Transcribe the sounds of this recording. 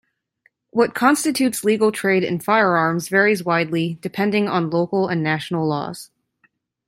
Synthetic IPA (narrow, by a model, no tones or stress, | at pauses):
wʌt̚kʰɑ̃nstɨtʰʉtsliɡl̩ˠtʰɹ̥eɪɾɨ̰̃nfaɪə˞ɑɹmzvɛɹizwaɪdˡlid̥ɨpʰɛ̃ndɪ̃ŋə̃nloʊkl̩ˠə̃nːæʃn̩l̩ˠlɔ̰z̥